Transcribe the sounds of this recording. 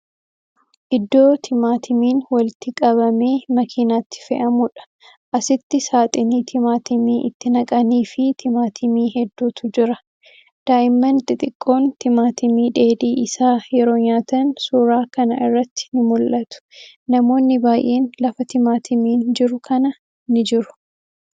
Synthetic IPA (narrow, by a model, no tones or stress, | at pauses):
ʔɪd̪ːo̞ːt̪ʰɪmaːt̪ʰɪmiːnwɐlt̪ɪkʼɐβɐme̞ːmɐkʰiːnaːt̪ːɪ̥fɛʔɐmʊᶑɐ̥ | ʔɐsɪt̪ːɪsaːt̪ʼɪniːt̪ʰɪmaːt̪ɪmiːʔɪt̪ːɪnɐkʼɐniːfɪt̪ʰɪmaːt̪ʰɪmiːɦɛd̪ːuːt̪ʊd͡ʒɪɾɐ | d̪̥aːʔɪmːɐnt̪ʼɪt̪ʼɪkʼːo̞ːnt̪ɪmaːt̪ɪmiːᶑe̞ːd̪iːʔɪsaːjɛɾo̞ːɲaːt̪ɐnsuːɾaːkɐnɐʔɪrːɐt̪ːɪ̥nɪmʊlʔɐt̪ʊ̥ | nɐmo̞ːnːɪbaːjʔe̞ːnlɐfɐt̪ɪmaːt̪ʰɪmiːnd͡ʒɪɾʊkʰɐnɐ | nɪd͡ʒɪɾʊ̥